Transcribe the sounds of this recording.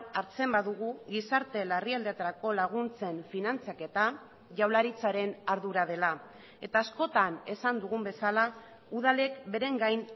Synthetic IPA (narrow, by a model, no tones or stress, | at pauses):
aɾt͡se̞mbaðuɣuɣisaɾt̪e̞lariald̪et̪aɾako̞laɣ̞unt͡se̞ɱfinant͡sake̞t̪a | ʝawlaɾit͡saɾe̞naɾðuɾað̞e̞la | e̞̰t̪aːsko̞t̪ane̞sand̪uɣ̞umbe̞sala | uðale̞kbe̞ɾe̞ŋɡajn